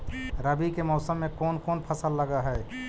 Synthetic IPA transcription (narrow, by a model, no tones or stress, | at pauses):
ɾəbikemɔːsəmːẽkoːnkoːnpʰəsəlːəɡaɦɛ